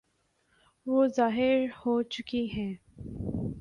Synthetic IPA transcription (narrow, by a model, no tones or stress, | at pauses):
ʋoːzaːɦɪɾhoːt͡ʃʊkiɦɛ̃ː